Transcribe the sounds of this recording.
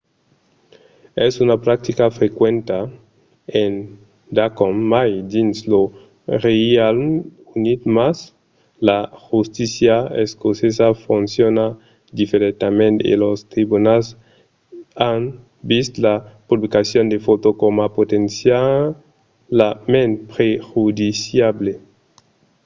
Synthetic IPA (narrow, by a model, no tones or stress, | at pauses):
esunapɾak̚t̪ikafɾekwẽnt̪a | en | d̪akomːajd̪inslo | real | unit̪mas | laxust̪isjaeskosesafunsjona | d̪ifeɾet̪amẽnt̪ḛlost̪ɾibunals | an | bist̪lapublikasjond̪efot̪okomapot̪ensja | lamẽnt̪pɾexud̪isjable